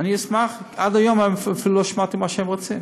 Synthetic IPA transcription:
aniismaχadajomemffiluloʃmat̪imaʃɛmʁot͡sim

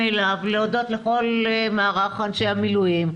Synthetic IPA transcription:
elavleodo̞t̪le̞χo̞lmaːʁaχanʃe̞jhamilujim

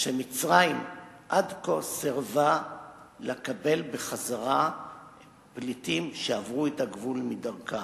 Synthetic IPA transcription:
ʃemit͡sʁaim | ʔadkoseʁva | lekabe̞lbeχazaʁa | plitimʃeavʁuetaɡvulmidaʁka

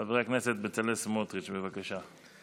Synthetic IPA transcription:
avʁeaknese̞t̪̚bet͡salesmot̪ʁit͡ʃbevakaʃa

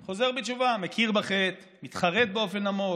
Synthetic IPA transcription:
χo̞ze̞ʁbet͡ʃuvamekʰiʁbaχet̪ | mit̪χaʁet̪̚beo̞fenamo

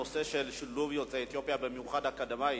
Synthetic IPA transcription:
ose̞ʃelʃiluvjot͡seet̪jo̞pjabemjuχad̪hakad̪amaj

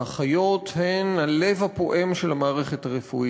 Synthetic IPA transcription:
aχajo̞t̪henalevhapo̞ʔe̞mʃelamaːʁeχethaʁefui

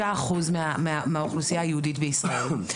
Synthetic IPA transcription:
aːχuzmameamauχlusijajəhud̪it̪bəisʁai

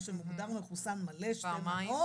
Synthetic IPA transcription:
ʃemuɡd̪aʁmeχusanmaleʃajo

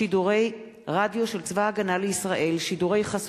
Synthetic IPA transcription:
iduʁe̞j | ʁadjo̞ʃe̞lt͡svaːɡanaleisʁaʔe̞lʃiduʁe̞jχas

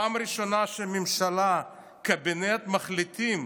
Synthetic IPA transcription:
amɾiʃo̞naʃemimʃala | kebenet̪maχlit̪im

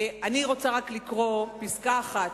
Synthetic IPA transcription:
aniʁo̞t͡saʁaklikʁo̞piskaːχat

